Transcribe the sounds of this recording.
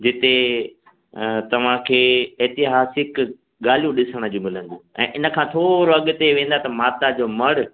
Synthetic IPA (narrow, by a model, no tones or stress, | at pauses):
d͡ʑɪt̪e | t̪ɐʋ̤ãkʰeːɛːt̪ɪɦaːsɪk | ɠaːl̤ijũɗɪsəɽ̃ə̆d͡ʑũːmɪlə̃n̆d̪õɛ̰̃ːʔɪnə̆kʰãːt̪ʰoːɾoɐɠʊt̪eʋẽːn̆d̪at̪ɐmaːt̪ad͡ʑoːmɐɽʊ̆